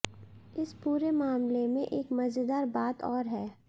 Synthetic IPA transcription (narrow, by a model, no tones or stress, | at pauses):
ɪspuːɾemaːmlemẽʔeːkmɐzɪd̪aːɾbaːt̪ʰɔːɾɦɛː